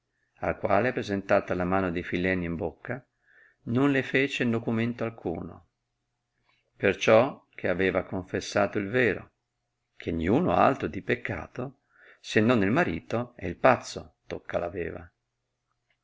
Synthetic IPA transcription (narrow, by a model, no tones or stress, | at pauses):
a̰lkwaːlepɾezent̪aːt̪alamaːnod̪ejfilɛnːiimbokːa | nonlefeːt͡ʃenːokument̪oalkʰṵːno̰ | pert͡ʃɔk̟ʰeavɛːvakoɱfesːaːt̪oilveːɾo̰ | kʰenijuːno̰a̰lt̪ɾod̪ipekʰːa̰ːt̪o | senːonːelmaɾiːt̪oɛ̰ilpat̪sːot̪okʰːalavɛ̰ːva̰